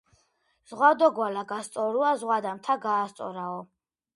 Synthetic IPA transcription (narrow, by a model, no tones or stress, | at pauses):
z̥ʁwad̪ɔɡwalaɡast̪sʼɔɾuazʁwad̪amt̪ʰaɡaːst̪sʼɔ̰ɾaɔ